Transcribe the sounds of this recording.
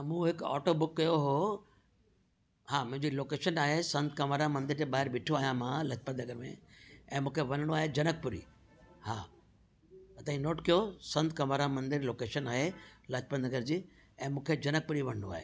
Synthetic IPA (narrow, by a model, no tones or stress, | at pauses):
mũːɦɪkɔ̰ːʈobʊkːɐjoɦo | haːmʊ̃ɦɪ̃ɲd͡ʑiloːkeːʃənaːɦesɐ̃nd̪kɐmaːɾamɐ̃nd̪ɪɾt̪eɓaːɦɪɾʋɪʈʰoaːjãmãlɐt͡ɕpənɐɡəɾmḛ̃ɛ̃ːmũːkʰeʋɐnəɽ̃oaːɦed͡ʑɐnək̚pʊɾḭː | haː | ɐt̪aːĩnoːʈkijosɐ̃nd̪kɐmaːɾamɐ̃nd̪ɪɾloːkeːʃənaːɦelɐt͡ɕpənnɐɡəɾd͡ʑiː | ɛ̃ːmũːkʰed͡ʑɐnək̚pʊɾiʋɐɽ̤̃ənoaːɦḛː